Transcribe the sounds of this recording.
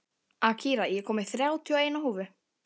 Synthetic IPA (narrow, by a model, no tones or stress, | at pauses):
acʰiːɾajɛkʰɔːmɪθɾjaːwt̪ʰiɔeːjnahuːvʏ